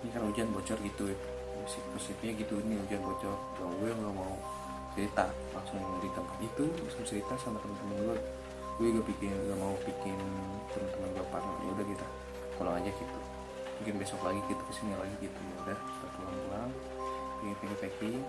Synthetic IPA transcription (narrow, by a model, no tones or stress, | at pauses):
ɲakaɾaud͡ʒanbɔt͡ʃɔrɡit̪uɛ | sikəsip̪iɲaɡit̪uiniud͡ʒanbɔt͡ʃɔr | auaŋɡamau | t͡ʃəɾit̪a | laŋsʊŋdit̪əmat̪it̪ulaŋsʊŋt͡ʃəɾit̪asamat̪əmant̪əmənduat̪̚ | uweɡapikɪnɡamaupikɪn | t̪əmənt̪əmənduaparna̰ʔudahɡit̪a | kulaŋad͡ʒakit̪u | muŋkɪnbesɔklaɡikit̪u̥kəsinialaɡiɡit̪umudaht̪at̪ulanulaŋ | pikɪnp̪ɛŋifaki